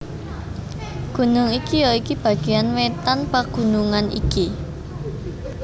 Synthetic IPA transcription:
ɡ̥ṳnʊŋikijoikib̥ä̤ɡ̥e̤janwet̪anpaɡ̥ṳnuŋanḭki

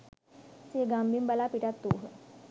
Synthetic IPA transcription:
seɡambimbɐlapiʈat̪ːuːɦ

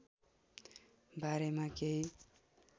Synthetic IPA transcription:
baɾemakei

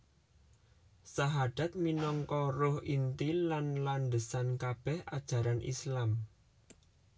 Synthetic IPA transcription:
saɦad̪̥a̤t̪̚minɔŋkɔɾʊhint̪ilanland̪əsankab̥ɛha̰d̥ʒ̥a̤ɾanʔḭslam

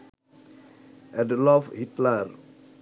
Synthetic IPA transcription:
ʔɛdlɔfhitlar

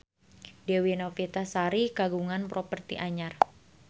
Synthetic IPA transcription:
dɛwinofit̪asaɾikaɡuŋanpɾopərt̪ḭʔaɲar

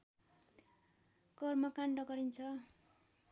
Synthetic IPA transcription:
kʌrmʌkaɳɖʌɡʌɾint͡sʰʌ

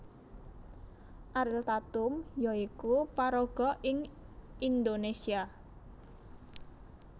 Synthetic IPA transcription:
ʔaɾɪlt̪at̪ʊmjɔikupaɾoɡ̥ɔ̤ʔɪŋʔind̪onesia

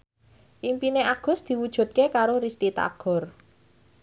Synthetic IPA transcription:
ʔimpineaɡ̥ʊ̤sd̪̥i̤wud̥ʒ̥ṳt̪̚kekaɾoɾist̪it̪a̰ɡ̥ɔ̤r

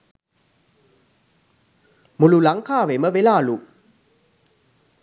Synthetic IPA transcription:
mululaŋkaːʋeməʋelaːlu

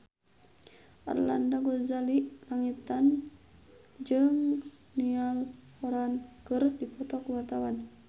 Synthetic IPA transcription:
ʔa̰rla̰ndaɡɔzaliʔlaŋit̪an | d͡ʒɨŋ | nial | ɔɾankɨrdipɔt̪ɔkuwat̪awan

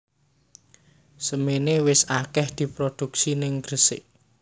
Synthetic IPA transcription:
səmenewɪsakɛhd̪̥i̤pɾod̪̥ṳksinɪŋɡ̥ɾəsɪ̰ʔ

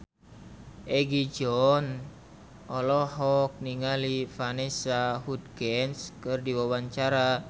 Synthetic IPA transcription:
ʔɛɡid͡ʒɔn | ʔɔlɔɦɔk̚niŋalifanɛsahud̪̚ɡɛnskɨrdiwawaɲt͡ʃaɾa

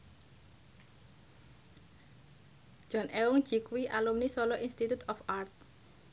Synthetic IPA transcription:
ʒ̥ɔnʔɛwuŋ̥ʒ̥ikwiʔalumnisɔlɔʔinst̪it̪ut̪ɔfart̪̚

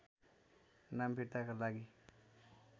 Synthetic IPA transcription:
nambʱiʈ̪akalaɡi

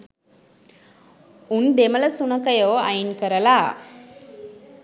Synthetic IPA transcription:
und̪emələsunəkəjowa̰jinkəɾəla

